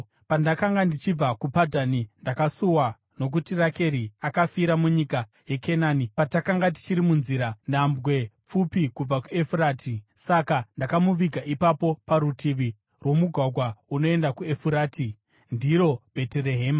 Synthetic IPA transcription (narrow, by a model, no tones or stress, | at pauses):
pandakaŋɡandit͡ʃib͡vakupadʱanindakasuwa | no̞k̬utirake̞ɾiakafiɾamuɲika | je̞kʰe̞naːnipatakaŋɡat̬i̥t͡ʃiɾimunziɾanambwe̞p͡fupikub͡vakue̞furaːtʰisakandakamuʋiɡʱaʔipapo̞paɾutʰiʋi | rwo̞muɡʱwaɡʱwauno̞e̞ndakue̞fuɾaːti | ndiɾo̞b̥ʱe̞tere̞ɦe̞ːma